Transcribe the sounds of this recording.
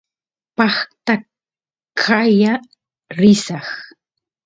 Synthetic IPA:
pɑχt̪a | kʰaja | ɾɪsɑχ

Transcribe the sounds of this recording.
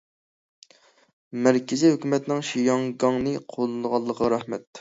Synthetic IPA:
mɛɾkʲʰɪzihøkʲymɛt̪nɪŋʃijɑŋɡɑŋnɨqʰolˠɨnəʁɑlˠːəqʰəɾɑhmɛt̪

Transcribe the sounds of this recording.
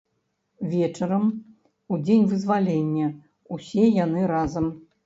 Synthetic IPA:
vʲɛt͡ʂɐɾɐm | ud͡zʲenʲvɨzvalʲenʲːɐ | usʲɛjanɨɾazɐm

